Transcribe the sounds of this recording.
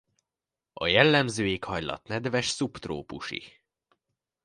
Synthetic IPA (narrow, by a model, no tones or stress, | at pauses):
ɒjɛlːɛmzøːeːkhɒjlɒ̰t̪nɛd̪vɛʃsupt̪ro̰ːpuʃḭ